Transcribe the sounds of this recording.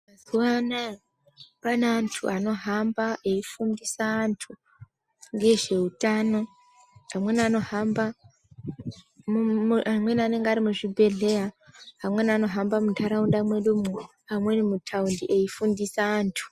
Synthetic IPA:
mazuwana | panaːntʰuʔano̞ɦambaʔeifundisaːntʰu | ŋɡe̞ʐe̞utaːno̞ | ɦamwe̞nano̞ɦamba | amwe̞nane̞ŋɡaɾimuʐibʱe̞ɮe̞jaɦamwe̞nano̞ɦambamuntʰaɾaundamweɗomu | amwe̞nimutʰaundiʔeifundisaːntʰu̥

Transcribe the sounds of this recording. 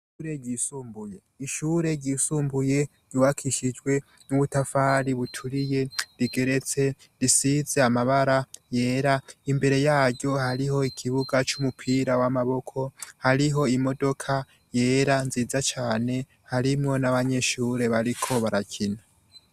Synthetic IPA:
uɾeɟisuːmbuje | iʃuːɾe̞ɟiːsuːmbuje̞ | ɟ̥uwakʰiʃid͡ʒɡwe̞ | nuβutafaːɾiβutʰuɾije̞ɾiɡe̞ɾe̞t͡se̞ | ɾisize̞amaβaɾaje̞ːɾaimbe̞ɾe̞jaːɟo̞haɾiɦo̞ikʰiβuɡat͡ʃumupʰiːɾawamaβo̞kʰo̞haɾiɦo̞imo̞do̞kʰa | je̞ːɾanziːzat͡ʃaːne̞ | haɾimŋo̞naβaɲe̞ʃuːɾe̞βaɾikʰo̞βaɾacʰina

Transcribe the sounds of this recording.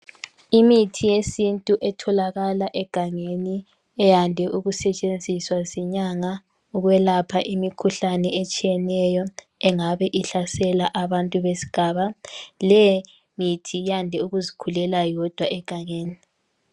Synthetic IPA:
imitʰijesintʼuʔɛtʰɔlaɣalaʔɛɡ̥ʱaŋeni | ɛjandʱɛʔuɣusɛt͡ʃʼend͡zʱiswaziɲaŋa | uɣwɛlapʰaʔimikʰuɬanɛet͡ʃʼijɛnɛjɔ | ɛŋaβɛʔiɬasɛlaʔaβantʼuβesi̥ɡ̥ʱaːβalɛ | mitʰijandʱɛuɣuzikʰulɛlajɔd̥ʱwaʔɛɡ̥ʱaŋeːni

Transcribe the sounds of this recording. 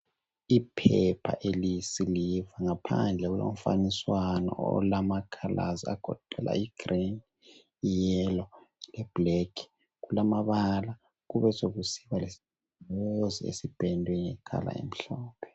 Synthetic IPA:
ipʰɛpʰa̰ʔelisilivaŋapʰand͡ɮʱɛɣulo̰m̩faniswanɔ̰ɔ̰lamakʰalʔazia̰ɡ̥ʱɔ̰ǃ̥ʱɛlʔa̰iɡ̥rin | ijɛlɔlɛb̥lɛkʰ | ɣulamaβala | ɣuβɛsoɣusiβalesi̥ | oziḛsib̥ʱɛndʱwɛŋɛkʰa̰la̰ḛm̩ɬɔːpʰɛ̥

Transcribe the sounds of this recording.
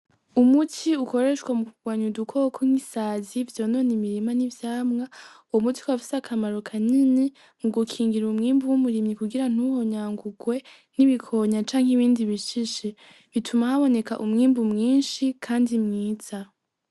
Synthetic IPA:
umutʰiuko̞ɾe̞ʃkwamukuɡ̥waːɲudukʰokʰoŋ̥isazivjo̞ːno̞ːnimiɾimanivjaːmŋauwomutʰi̥kwafi̥sakʰamaɾokʰanini | ŋuɡukʰiːŋɡiɾumŋiːmbuwumuɾimɲikuɡiɾan̥uho̞ɲaːŋɡuɡwe̞ | niβikʰo̞ɲat͡ʃaːŋhiβiːndiβiʃiʃi | βitʰumahaβo̞ne̞kaʔumŋiːmbumŋiːnʃikʰaːndimŋiːza

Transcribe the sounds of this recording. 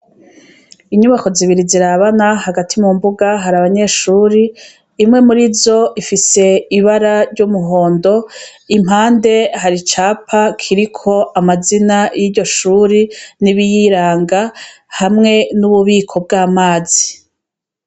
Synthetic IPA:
iɲuβako̞ziβiɾiziɾaβanahaɡatʰimumbuɡaɦaɾaβaɲe̞ʃuːɾiː | mŋe̞muɾizo̞ʔifise̞iβaɾaɾɟumuɦo̞ːndo̞ | im̥haːnde̞haɾit͡ʃaːpʰakʰiɾikʰo̞ʔamazinajiːɾɟo̞ʃuːɾiniβijiɾaːŋɡa | hamŋe̞nuβuβiːkʰo̞b̚ɡaːmaːz̥i

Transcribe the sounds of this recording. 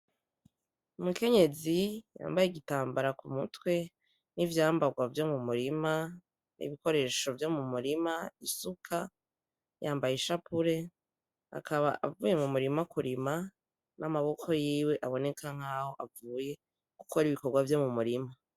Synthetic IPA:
umuke̞ɲe̞zija̰ːmbajeɡitaːmbaɾakumutwe̞ | nivjaːmbaɡwavjo̞mumuɾima | nʔḭβiko̞ɾe̞ːʃo̞vjo̞mumuɾimaisukʰa | jaːmbajeʃapuɾe̞ | a̰kʰaβa̰ʔavuːje̞mumuɾimakuɾima | nʔamaβo̞kʰo̞jiːwe̞ʔaβo̞ne̞kʰaŋ̥aho̞ʔavuːje̞ | ku̥kʰoɾiβiko̞ɾɡwavjo̞mumuɾima

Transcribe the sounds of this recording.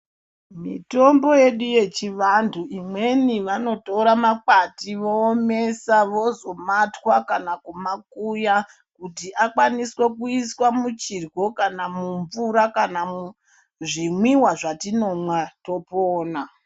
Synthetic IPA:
mḭto̞mbo̞je̞ɗuje̞t͡ʃiʋantʰuʔimwe̞niʋano̞to̞ɾamakatiʋo̞ːme̞saʋo̞zo̞matwakanakumakuja | kutiʔakwaniswe̞kuiswamut͡ʃirɡo̞kanamuɱvuɾakanamu | ʐimwiwaʐatino̞mwato̞poːna

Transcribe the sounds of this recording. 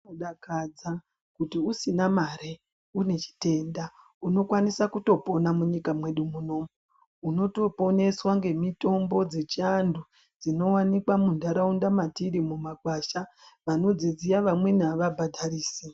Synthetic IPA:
oɗakad͡za | kutiusinamaɾe | une̞t͡ʃi̥te̞nda | uno̞kwanisakuto̞po̞namuɲikamwe̞ɗumuno̞ːmu | uno̞to̞po̞ne̞swaŋɡe̞mito̞mbo̞d͡ze̞t͡ʃiandu | d͡zino̞wanikwamundaɾaundamatiɾimumaɡʱwaːʃaʋano̞d͡zizijaʋamwe̞naʋabʱadʱariːsi

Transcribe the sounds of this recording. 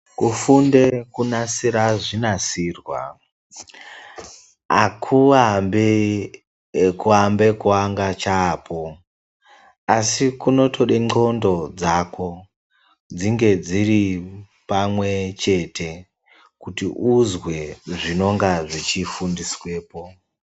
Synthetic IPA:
kufunde̞kunasiɾaʐinasirwa̰ | akʰuambe | kuambe̞kuwaŋɡat͡ʃaːpʰo̞ | asikuno̞to̞ɗeŋ͡ǃo̞ndo̞d͡zako̞ | d͡ziŋɡe̞d͡ziɾi | pamwe̞t͡ʃe̞tʰe̞ | kutiʔuzwe̞ʐino̞ŋɡaʐit͡ʃifundiswe̞ːpo

